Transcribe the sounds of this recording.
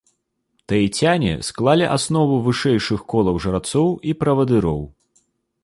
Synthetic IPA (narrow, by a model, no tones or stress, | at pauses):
t̪ɐit͡sʲanʲɛ̰sklˠalʲiʔasn̪ɔvuvɨʂɛjʂɨxkɔlˠɐwʐɐɾat̪sɔwipɾɐvɐd̪ɨɾɔw